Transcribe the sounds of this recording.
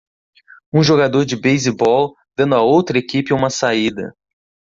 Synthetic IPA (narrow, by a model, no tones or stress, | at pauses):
ũʒoɡad̪oɾd͡ʒɪbejzibɔw | d̪̥ɐ̃nd̪ʊaowt̪ɾɐekipɪũmɐsaid̪ɐ̰